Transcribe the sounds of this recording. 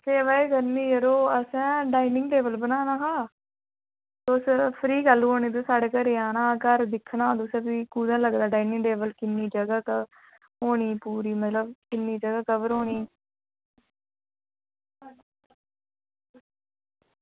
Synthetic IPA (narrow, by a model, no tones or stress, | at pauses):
seːʋaːeːɡəɾniːəɾoːəsɛ̃ːɖaːinɪŋɡʈeːbəlbənaːnaːɦaː | t̪oːspʰɾiːɡəlɦoːnĩːt̪osaːɽeːkəɾeːãːnãːkəɾd̪ɪkʰːnaːd̪ʊsẽːpiːkuːd̪ãləɡd̪aːɖaːinɪ̃ŋɡʈeːbəlkɪnːiːd͡ʒəɡaːkə | ɦoːniːpuːɾiːmət̪ləbkɪnːiːd͡ʒəɡaːkəʋəɾɦoːniː